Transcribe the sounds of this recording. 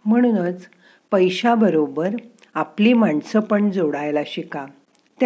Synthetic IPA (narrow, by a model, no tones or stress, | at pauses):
m̤əɽ̃uːnət͡s | pəjɕabəɾobəɾ | apliːmaɳsəpəɳd͡zoɽajlaɕika | t̪